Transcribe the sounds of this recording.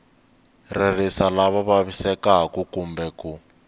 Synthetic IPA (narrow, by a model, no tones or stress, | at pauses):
rɛrisalaβaβaβisɛkaɦakukumbɛku